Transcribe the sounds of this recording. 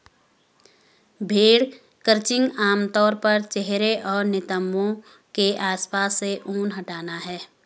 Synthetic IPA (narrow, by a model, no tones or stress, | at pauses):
bʱeːɽ | kəɾt͡ʃɪ̃ŋɡaːmt̪ɔːɾpɐɾt͡ʃeɦɾeʔɔːɾnɪt̪əmːõ | keʔaːspaːsːeʔuːnɦɐʈaːnaɦɛː